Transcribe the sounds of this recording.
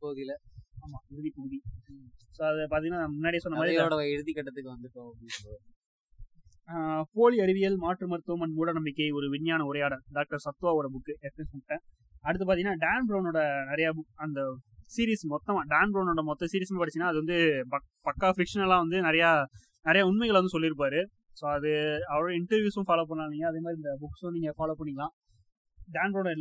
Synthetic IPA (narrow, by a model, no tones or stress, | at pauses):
poːðilɐaːmaːɪɾɯðipoːði | soːɐðɛpaːɾt̪iŋɡɐnːaːmʊnːaːɽijɐsɔnːɐmaːðɾoːɽɐɪɾɯðikːɐʈːɐt̪ːɯkːɯʋɐnd̪ɯpːoɪ | poːliɐɾɪʋɪjɐlmaːʈɾɯmɐɾɯt̪ːɐmɐnmuːɽɐnɐmbɪkːɐɪɔɾɯʋɪnːjaːnɐʊɾɐjaːɽɐ̃ɖaːk̚ʈɐɾsɐt̪ːɯʋaːɔɽɐbʊkːɯʔɛkːɐnsɐnːʈːẽː | ɐɽɯt̪ːɯpaːɾt̪ɪŋɐnːaːɖaːnbɾɐʊnoːɽɐnɪɾɐjabɐnd̪ɐsiːɾiːsmɔt̪ːɐmãːɖaːnbɾɐʊnoːɽɐmɔt̪ːɐ̃siːɾɪɐsmaːpɐɽɪt͡ɕt͡ʃːɪnːaːɐðɯʋɐnd̪ɯpɐ | pɐkːaːfɪkʂɐnɛlãːʋɐnd̪ɯnɪɾɐjaː | nɪɾɐjaʊnmɐɪɣɐɭʋɐnd̪ɯsɔlːɪɾɯp̬ːaːɾɯ | soːɐðɯɐʋɐɾoːɽɐɪɳʈɐɾʋjuːsʊ̃faːloːpːɐɳːaːlɪŋɡɐɐðeːmaːd̪ɾiɪnd̪ɐbʊkːsonːɪŋefaːloːpɐɳːɪŋɡɐlãː | ɖaːnbɾɐʊ̃nɪlː